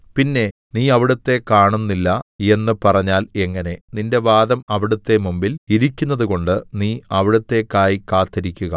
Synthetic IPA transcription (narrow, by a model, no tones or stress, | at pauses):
pinːe̞ | niːɐʋiɽɐt̪ːe̞kaːɳunːilːɐe̞nːɨpɐrɐɲːaːle̞ŋːɐne̞ninde̞ʋaːd̪ɐmɐʋiɽɐt̪ːe̞mumbiliɾikʲːunːɐðuko̞ɳɖɨniːɐʋiɽɐt̪ːe̞kːaːjikaːt̪ːɐɾikʲːuɣɐ̰